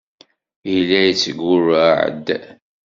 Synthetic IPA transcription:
jlːæjət͡sːəɡʊraʕə̰d̪

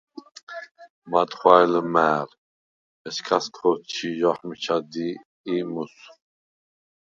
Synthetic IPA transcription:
mat̪χwaɛləmæːɾ | ɛskʰast̪ʰɔt͡ʃʰijɔħmit͡ʃʰad̪iː | mus

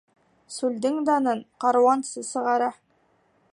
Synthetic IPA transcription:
sʉld̪ɘŋd̪ɑnɤɴqɑɾwɑnsɤzsɤ̆ʁɑɾɑ

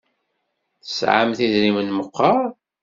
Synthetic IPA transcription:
θə̥sʕa̰mθiðɾimənməqːɑɾˤ

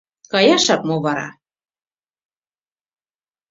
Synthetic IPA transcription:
kɑjɑʃɑk̚moβɑɾɑ̰

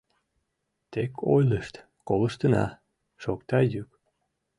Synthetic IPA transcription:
t̪ekʰojləʃt̪ | koləʃt̪ənɑ̰ | ʃokt̪ɑjyk

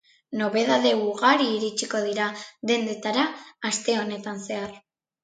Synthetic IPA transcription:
no̞βe̞ðaðe̞uɣaɾiːɾit͡ʃiko̞ðiɾaðe̞nd̪e̞t̪aɾaːst̪e̞o̞ne̞t̪anse̞ar

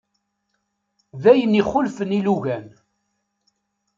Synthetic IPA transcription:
ðæjəniχʊlfəniluʝæn

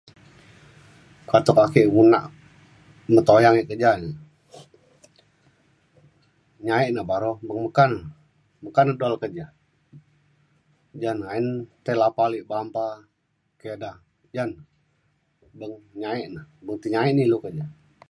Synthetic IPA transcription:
kat̪ɔkakiʔwunaʔ | mət̪ojaŋiʔkəd͡ʒani | ɲaiʔnabaɾobəŋməkanə | məkanədoalkəd͡ʒa | d͡ʒanaint̪alapaliʔbampa | keda | d͡ʒan | bəŋɲaɛʔnahbəŋt̪iɲaiʔnilukəd͡ʒa

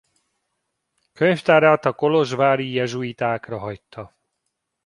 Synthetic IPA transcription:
køɲft̪aːɾaːt̪ɒko̞lo̞ʒvaːɾijɛʒuit̪aːkrɒɦɒjt̪ːɒ

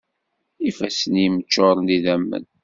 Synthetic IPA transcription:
ifæsənjimət͡ʃːoɾˤniðæmːə̰n

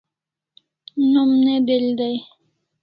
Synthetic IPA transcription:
numned̪eld̪aj

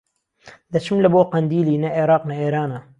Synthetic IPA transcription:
d̪ɐt͡ʃʰɨmlɐboːqɐnd̪iːliːnɐʔeɾɑːqnɐeːɾaːnɐ

